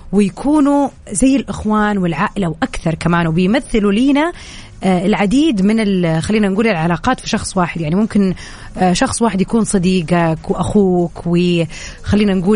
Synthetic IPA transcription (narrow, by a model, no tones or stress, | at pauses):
wɪjakʰuːnuzajːɪlʔɪxwaːnwɪlʕaːʔɪlawʔakθɑɾˤkamaːnwɪbɪjmaθːɪluliːna | ɪlʕad̪iːd̪mɪnɪlxalːiːnanɡuːlɪlʕalaːqɑːt̪fi̥ʃɑxsˤwaːħɪd̪jaʕnimʊmkɪn | ʃɑxsˤwaːħɪd̪jakuːnsˤɑd̪iːɡakwɪʔaxuːkwɪ | xalːiːnanɡuː